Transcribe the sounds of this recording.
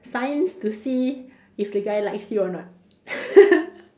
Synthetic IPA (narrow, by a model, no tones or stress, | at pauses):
sãjnstusi | ifdeɡajlajksjuɔnɔt̚